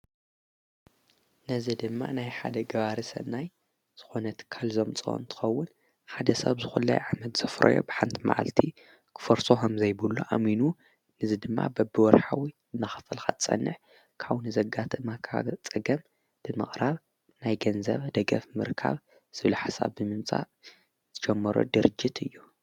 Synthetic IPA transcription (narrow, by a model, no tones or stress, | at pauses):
nɐzid̪ɨmːa̰najħa̰d̪ɐɡɐβaɾisɐ̰naj | z̥ɨ̥xo̞nɐt̪kʰalzomt͡sʼo̰nt̪ʰɨ̥xɐwːʊn | ħad̪ɐsɐβzɨxulːɐ̰jʕamɐt̪z̥ɐfɾo̰jo̰bɨħant̪ʰma̰ʕa̰lt̪ʰi | kʰɨ̥fɐɾsokɐmzɐjbɨlːṵʔa̰minu | nɨzid̪ɨmːa̰bɐbɨwɔɾħawi | ɨnːaxɐfɐlxat̪t͡sʼɐ̰nːɨħ | kʰaβnɨzɐɡat̪ʰɨmakʰa̰t͡sʼɨɡɐm | b̥ɨmɨχʼɾaβ | najɡɐnzɐ̰βd̪ɐɡɐfmɨɾkʰa̰β | z̥ɨβluħasa̰βːɨmɨmt͡sʼa̰ | z̥ɨd͡ʒɛmːɐɾo̰d̪ɨɾɨd͡ʒːit̪ʰɨjːu